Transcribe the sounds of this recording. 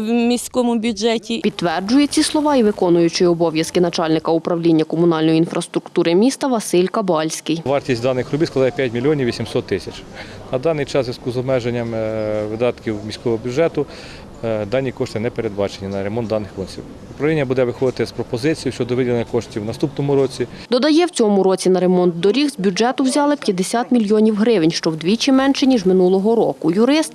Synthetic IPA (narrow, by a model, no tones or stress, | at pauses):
mʲisʲkɔmʊbʲjʊd͡ʒɛtʲipʲid̪̚t̪ʋɛrd͡ʒʊjet͡sʲislˠɔʋɑiʋɪkɔnʊjʊt͡ʃɪɔbɔʋʲjɐskɪnɐt͡ʃɑlʲnɪkɐʊpɾɐʋlʲinʲːɐkɔmʊnɑlʲnɔjiinfɾɐst̪ɾʊkt̪uɾɪmʲist̪ɐʋɐsɪlʲkɐbɑlʲsʲkɪjʋɑrtʲisʲtʲd̪ɑnɪxɾʊbʲijsklˠd̪ɑjɛpʲjatʲmʲilʲijɔnʲiwʋʲːisʲimsɔt̪ːɪsʲɐt͡ʃ | nɐd̪ɑnɪjt͡ʃɑszʋʲiskuzɔbmɛʒenʲːɐmʋɪd̪ɑt̪kʲiwmʲisʲkɔʋɔɦɔbʲjʊdʒɛt̪ʊ | d̪ɑnʲːikɔʃt̪ɪnɛpeɾed̪̚bɑt͡ʃenʲːɐnɐɾemɔnd̪d̪ɑnːɪxkɔnʲsʲḭw | ʊpɾɐʋlʲinʲːɐbud̪ɛʋɪxɔd̪ɪt̪ɪspɾɔpɔzɪt͡sʲijuʃt͡ʃɔd̪ɔʋɪd̪ʲɪnɐkɔʃtʲiwnɐst̪upnɔmʊɾɔt͡sʲi | d̪ɔd̪ɐjɛwt͡sʲɔmʊɾɔt͡sʲinɐɾemɔnt̪̚d̪ɔɾʲixzbʲud͡ʒɛt̪ʊwzʲɑlˠɪpʲjɐd̪esʲat̪mʲilʲjɔnʲiwɦɾɪʋenʲʃt͡ʃɔwd̪ʲʋʲit͡ʃɪmɛnʃɛnʲiʒmɪnulˠɔɦɔɾɔkʊjʊɾɪst̪